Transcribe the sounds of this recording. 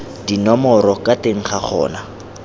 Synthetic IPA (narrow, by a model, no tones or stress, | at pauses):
dinɔmɔɾɔkateŋ̩χaχʰɔ̰ːna